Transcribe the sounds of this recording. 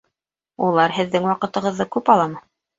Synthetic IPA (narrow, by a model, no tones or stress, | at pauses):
ulˠɑɾɦɘ̆ðːɘŋwɑqɤ̆t̪ɤ̆ʁɤ̆ðːɤkʉpɑlˠɑmɤ